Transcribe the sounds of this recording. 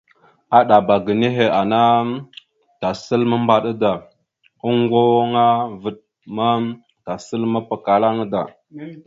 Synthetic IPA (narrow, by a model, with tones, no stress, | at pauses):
a˦ɗa˨ba˨ɡə˨ni˦ɦe˨a˨na˦ | ta˨sə˦lmə˦mba˨ɗə˦da˨ | ə˦ŋɡo˦ŋa˦və˨ɗ | ma˦ | ta˨sə˦lmə˦pə˨ka˨la˦ŋ˦da˨